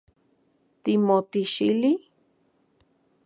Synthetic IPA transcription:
t̪imot̪iʃili

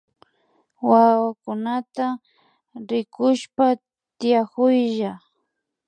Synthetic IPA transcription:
wawakʊnat̪a | ɾɪkʊʃpa | t̪ɪjakʊjʒa

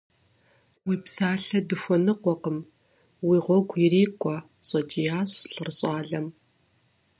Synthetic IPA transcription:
wiːpsaːɬɐdɨxʷɔnɨqʷɔqəm | wiːʁʷɔɡʷjiriːkʷʼɔ | ɕʼɐt͡ʃʼijaːɕɬɨrɕʼɑːɮɐm

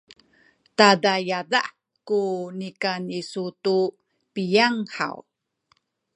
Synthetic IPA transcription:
tadajada̰ʔ | kunikanisutu | pijaŋħa̰w

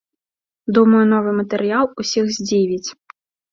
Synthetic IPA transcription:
d̪umɐjʊnɔʋɪjmɐt̪eɾʲɪɑlˠʊsʲixzʲdʲiʋʲit͡sʲ

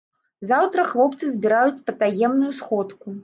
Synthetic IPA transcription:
zawt̪ɾɐxlˠɔpt̪sɨzʲbʲiɾajut͡sʲpɐt̪ajɛmnujusxɔt̪ku

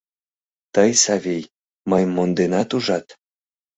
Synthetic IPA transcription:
t̪əjsɑvʲij | məjmond̪enɑt̪uʒɑt̪

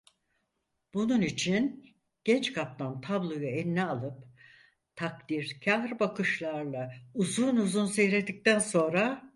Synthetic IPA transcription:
b̥ununit͡ʃʰin | ɟ̥ɛnt͡ʃkʰap̚t̪ʰant̪ʰablˠo̞jaɛnːɛalˠɯp | t̪ʰak̚d̪iɾcʰahɾbakʰɯʃlˠaɾlˠauzunuzunsejɾed̪ic̚t̪ænso̞nɾa

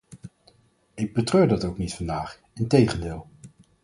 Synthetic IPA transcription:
ɪɡ̚bətrøːɹdɑtowknitfɑndaːχ | ɪntejχəndɪːlˠ

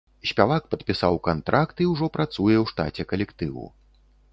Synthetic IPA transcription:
sʲpʲavak̚pɐt̪pʲisawkant̪ɾʔakt̪iwʐɔpɾʔat̪sujɛwʂt̪a̰t͡sʲɛkɐlʲɛkt̪ɨwṵ

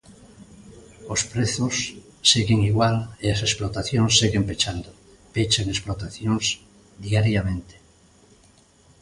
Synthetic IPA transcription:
ospɾeθosː | eɣeŋiɣwaleasesplot̪aθjonsːeɣempet͡ʃand̪o | pet͡ʃaŋesplot̪aθjons | d̪iaɾjamẽnt̪e̥

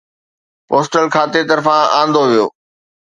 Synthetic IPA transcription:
poːsʈəlkʰaːt̪et̪ɐɾfãã̰ːn̆d̪oʋijo̰ː

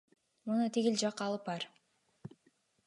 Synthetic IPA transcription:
munut̪ʰiɡild͡ʒɑqːɑlˠɯpɑɾ

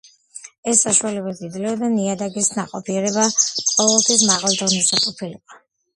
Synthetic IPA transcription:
ɛsːaʃualɛbazid̪lɛɔd̪aniad̪aɡisnaqʼɔpʰiɛɾɛbaqʼɔvɛlˠt̪ʰwismaʁald̪ʁnisat̪ʼupʰiliqʼɔ

